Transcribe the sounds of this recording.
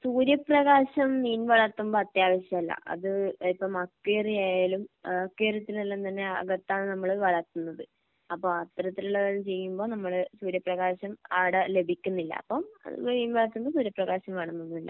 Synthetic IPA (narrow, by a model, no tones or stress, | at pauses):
suːɾjɐpːrɐɣaːɕɐmniːnʋɐɭɐt̪ːumboːɐt̪jaːʋɐɕjɐmɐlːɐ̰ʔɐ̰ðɨipːɐmɐkːeːrijaːjaːlumɐkːeːrjɐt̪ːilnɐlːɐnt̪ɐnːe̞ɐ̰ɡɐt̪ːaːɳɨnɐmːɐɭʋɐɭɐt̪ːunːɐðɨ | ɐpːoɐt̪ːɐɾɐt̪ːiluɭːɐʋɐlumt͡ɕe̞jːumbo̞ːnɐmːɐɭsuːɾjɐpːrɐɣaːɕɐma̰ːɽɐle̞bʱikʲːunːilːɐ̰ːpːɐmɐ̰ðṵʋoinʋɐɭɐt̪ːumbosuːɾjɐprɐɣaːɕɐmʋeɳɐmːonːumilːɐ̰